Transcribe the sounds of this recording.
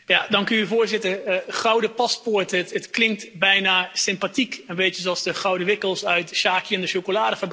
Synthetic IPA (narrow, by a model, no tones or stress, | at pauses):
jadɔnkənyvʊːɹzɪtəχrɔwdəpaspʊɹtətətklɪŋk̚tbɛjnasɪmpatikənʋeːtəzoɔlˠsdəχɔwdəʋɪkəlˠsœɥtʃaːkjəɛndəʃokolaːdəfəb